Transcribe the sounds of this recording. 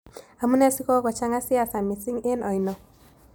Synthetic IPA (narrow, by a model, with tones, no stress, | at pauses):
a˨mu˦nɛ˦si˦kɔ˦kɔ˨t͡ʃa˦ŋa˦si˦a˨sa˨mɪ˨sɪ˦ŋe˦nʔɔ˨i˨nɔ˨